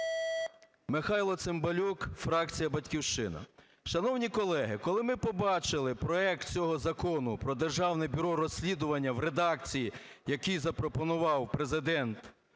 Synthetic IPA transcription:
mɪxɑjlˠɔt̪sembɐlʲukfɾɑk̚t͡sʲijɐbɐtʲkʲiwʃt͡ʃɪnɐ̰ | ʃɐnɔwnʲikɔlˠɛɦɪkɔlˠɪmɪpɔbɑt͡ʃɪlˠɪpɾɔɛk̚t̪̚t͡sʲɔɦɔzɐkɔnʊpɾɔd̪erʒɑwnɪbʲʊɾɔrɔsʲlʲid̪ʊʋɐnʲːɐwɾed̪ɑkt͡sʲiji | jɐkijzɐpɾɔpɔnʊʋɑwpɾezɪd̪ɛnt̪

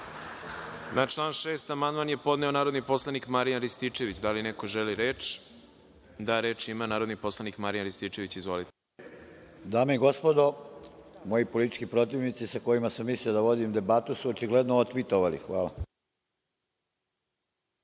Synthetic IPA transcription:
nat͡ʃlˠaːnʃeːst̪amand̪manje̞po̞d̪neo̞naːɾo̞d̪nipo̞slˠanikmaɾijanɾist̪it͡ʃe̞ʋit͡ɕd̪alineko̞ʒeliɾe̞ːt͡ʃ | d̪aɾe̞ːt͡ʃimanaːɾod̪nipo̞slˠanikmaɾijanɾist̪it͡ʃe̞ʋit͡ɕizʋo̞lit̪e | d̪aːmeiɡo̞spod̪o | mojipolit̪i̥t͡ʃkipɾo̞t̪iʋnit̪sisakojimasamːisliod̪aʋo̞d̪imd̪e̞bat̪usuot͡ʃiɡled̪noot̪ʋit̪oʋalḭxʋa̰ːla̰

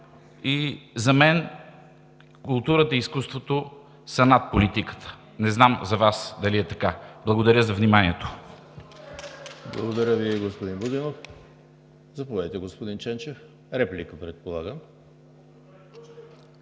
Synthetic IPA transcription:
izɐmɛn | kʊlˠt̪uɾət̪əiːskust̪vot̪o | sɐnat̪̚polit̪ikə̥t̪ʰə̥ | nɛznamzɐvasd̪ɐliɛt̪ɐkablˠɐɡod̪ɐɾʲəzɐvnimanʲiɛt̪o̥ | blˠɐɡod̪ɐɾʲəviɡospod̪inbod̪inof | zɐpovɛd̪ət̪ɛɡospod̪int͡ʃɛnt͡ʃɛf | ɾɛplikəpɾɛt̪̚polˠaɡəm

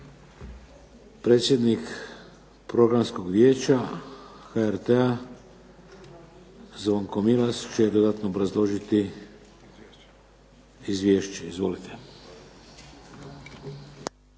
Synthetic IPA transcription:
pɾe̞ːt̪sʲjed̪nik | pɾo̞ɡɾamskoɡʋʲjeːt͡ʃa | xaeɾt̪ea | zʋoŋkomilast͡ʃeed̪o̞d̪at̪noːbɾazlˠo̞ʒit̪i | izʋʲjeːʃt͡ɕeizʋo̞lit̪ʰe

